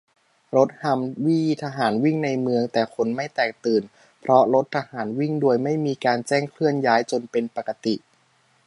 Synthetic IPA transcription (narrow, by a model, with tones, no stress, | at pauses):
ɾo˦˥t̪̚ha˧mwi˥iː˧t̪ʰa˧ɦaː˩˦nwi˥˩ŋna˧jmɯ˧əŋt̪ɛː˨˩kʰo˧nma˥˩jt̪ɛː˨˩k̚t̪ɯː˨˩n | pʰɾɔ˦˥ɾo˦˥t̪ʰːa˧haː˩˦nwi˥˩ŋdu˧əjma˥˩jmiː˧kaː˧nt͡ɕɛː˥˩ŋkʰlɯ˥˩ənjaː˦˥jt͡ɕo˧npe˧npa˨˩ka˧t̪i˨˩ʔ